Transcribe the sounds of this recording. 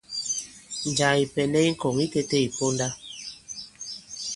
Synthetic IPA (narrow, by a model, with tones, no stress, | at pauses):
n˨d͡ʒa˨i˨pɛ˨nɛ˦i˦ŋ̩˦kɔ˨ŋi˦ke˦te˦i˨po˦n˦da˦